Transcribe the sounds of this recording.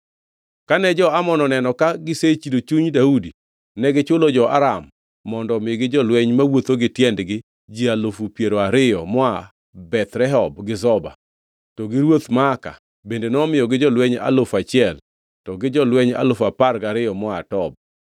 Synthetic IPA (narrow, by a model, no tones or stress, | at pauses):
kanɛd͡ʒɔamɔnɔnɛnɔkaɡɪset͡ʃidot͡ʃuɲdaudi | nɛɡɪt͡ʃʊlɔd͡ʒɔʔa̰ɾamː | ɔndɔmɪjɡɪd͡ʒɔlwɛɲmawot̪oɡɪtjɛndɡɪ | d͡ʒialofupjeɾoaɾɪjɔmɔa | bɛt̪ɾɛɦɔbɡɪzɔba̰ | tɔɡɪɾwot̪maːka̰ | bendenɔmɪjɔɡɪd͡ʒɔlwɛɲa̰lofat͡ʃɪɛl | tɔɡɪd͡ʒɔlwɛɲa̰lofaparɡaɾɪjɔmɔatɔb̚